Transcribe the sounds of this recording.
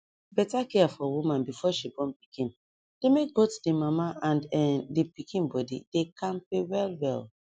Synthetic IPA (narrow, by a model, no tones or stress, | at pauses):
bɛtakɛafɔwumãnbifɔʃibɔ̃npi̥kĩn | d̥emek̚botdemamaʔãnɛdipikʰĩnbɔdḭd̥ekʰãnpewɛlwɛl